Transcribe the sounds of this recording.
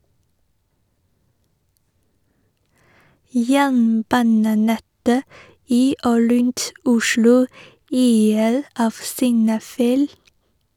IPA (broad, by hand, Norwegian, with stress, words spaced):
ˈjæːɳˌbɑːnəˌnɛtə ˈiː ˈoː ˈɾʉnt ˈʊʃlʊ ˈyːəɾ ˈɑːʋ sɪŋˈnɑːˌfæɪl